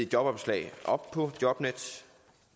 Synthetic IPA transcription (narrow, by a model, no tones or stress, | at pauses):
jɒ̽b̥ɒ̽b̥slɛ̰ːɪʔɒ̽b̥̚pʰɒ̽d̥jɒ̽b̥ned̥